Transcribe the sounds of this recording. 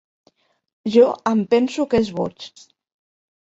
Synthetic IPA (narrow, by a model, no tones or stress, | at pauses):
ʒɔəmpɛnsukezβɔ̰t͡ʃ